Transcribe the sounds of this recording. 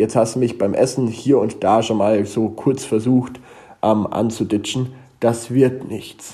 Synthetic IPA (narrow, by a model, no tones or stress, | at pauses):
jɛt͡sthastd̥umɪçb̥aɪmʔɛsn̩hiːɐʊntd̥aːʃoːnmaːlzoːkʰʊɐt͡sfɛɐzuːxt | ʔɛmʔa̰nt͡sudɪt͡ʃn̩ | d̥asv̥ɪɐtnɪçt͡s